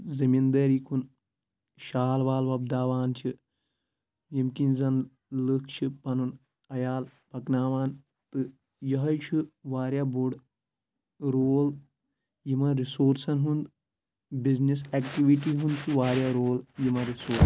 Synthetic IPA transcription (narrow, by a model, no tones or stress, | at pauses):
zɐmind̪ɐɾiːkʰun | ʃaːlʋaːlʋɐb̚d̪aːʋaːnt͡ʃʰi | jimkinʲzɐn | lɨk̚ʰt͡ʃʰipɐnun | ɐjaːlpɐknaːʋaːn | t̪ɨ | jɐɦɐjt͡ʃʰuʋaːɾʲjaːbuɖ | ɾoːl | jimɐɾisoːɾsɐnɦund̪ | biznis̬eːkʈiʋiʈiɦund̪̚t͡ʃʰiʋaːɾʲjaːɾoːljimɐɾisoːɾs